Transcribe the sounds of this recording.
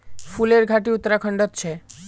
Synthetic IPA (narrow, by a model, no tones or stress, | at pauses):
fʰuleɾɡʱaʈiut̪ːɾakʰəɳɖɔt̪t͡ʃʰe